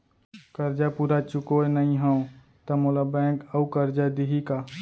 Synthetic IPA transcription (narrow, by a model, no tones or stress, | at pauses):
kəɾd͡ʒapuːɾat͡ʃʊkoenəĩɦə̃õ | t̪əmolabɛ̃kəukəɾd͡ʒad̪iɦika